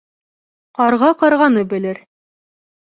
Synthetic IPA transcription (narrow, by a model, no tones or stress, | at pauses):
qɑɾʁɑqɑɾʁɑnɤbɘ̆lɘɾ